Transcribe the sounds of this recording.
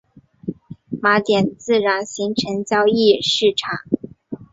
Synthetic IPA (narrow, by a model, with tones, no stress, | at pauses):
ma˧˥t̪jɛ˨˩nt͡sɹ̩˥˩ɻa˧˥nɕi˧˥ŋʈ͡ʂʰɤ˧˥ŋt͡ɕjɑ˥ʊi˥˧ʂɻ̩˥˩ʈ͡ʂʰɑ˨˩˦ŋ